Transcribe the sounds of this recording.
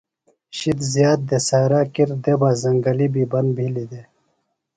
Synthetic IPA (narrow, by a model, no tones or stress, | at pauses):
ɕid̪zjaːt̪̚d̪esaːɾaːkiɾd̪ebazɐŋɡɐlibiːbɐnbʱilid̪e